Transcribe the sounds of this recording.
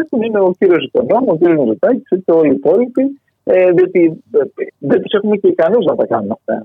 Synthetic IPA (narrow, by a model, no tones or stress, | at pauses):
exumine̞o̞ciɾio̞siko̞̰no̞muociɾijo̞znozut̪ɐci̥set̪eo̞liːpo̞lipi | eðio̞t̪ieðebise̞xumeceikɐnoznɐt̪ɐkɐnunɐft̪ɐ̰